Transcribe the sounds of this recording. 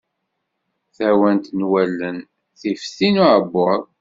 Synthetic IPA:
θæwænt̪nwælːən | θifθinuʕəbːʊɾˤ

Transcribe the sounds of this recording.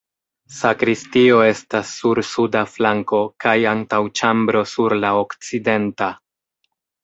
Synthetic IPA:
sakɾistio̞e̞stasːuɾsudaflaŋko̞kajaŋtawt͡ʃambɾo̞suɾlaokt͡side̞nta

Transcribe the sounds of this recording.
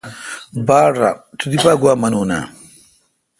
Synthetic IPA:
baːɽɾa̰t̪ʰud̪ipaːɡwaːmɐnuːna̰

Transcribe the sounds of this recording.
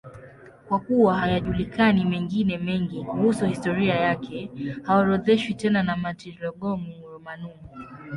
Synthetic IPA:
kwakuwaɦajaʄulikʰanimɛŋɡinɛmɛŋɡikuhusuhistɔɾiajakʰɛhawaɾɔðɛʃwitɛnanamatiɾɔɠɔmumuɾɔmanumu

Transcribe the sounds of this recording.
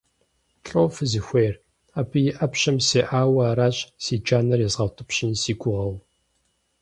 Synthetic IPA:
ɬʼowfɨzixʷejr | apʰɨjɪʔɐpɕɐmseːʔaːwɐːɾaːɕʼsiːd͡ʒaːnɐrjɛzʁɐwtʰɨpɕɪnsiːɡʷʊʁɐw

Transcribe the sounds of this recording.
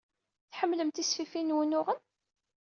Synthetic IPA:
θħəmːləmt̪isfifinwənʊʁən

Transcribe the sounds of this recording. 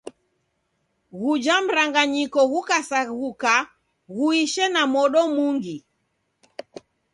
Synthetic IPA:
ɣud͡ʒam̩ɾaŋɡaɲikɔɣukasaɣuka | ɣuiʃɛnamɔɗɔmuŋɡi

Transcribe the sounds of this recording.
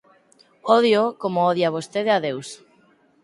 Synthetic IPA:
oð̞jokomooðjaβ̞ost̪eðeaðews

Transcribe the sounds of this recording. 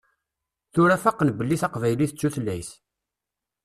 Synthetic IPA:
θʊɾæfæqːənbəlːiθæqvæjliθət͡sːuθlːæjs

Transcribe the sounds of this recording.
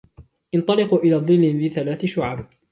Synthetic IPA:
ʔɪnt̪ˤɑlɪquʔɪlaːðˤɨlːɪnðiθalaːθɪʃʊʕab

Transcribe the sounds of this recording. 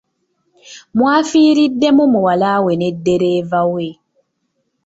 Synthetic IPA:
mwafiːɾidːemumuwalawenedeɾevawe

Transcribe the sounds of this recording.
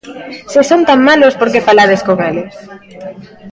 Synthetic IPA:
sɪsont̪aŋmalospoɾkefalaðeskoŋelɪ

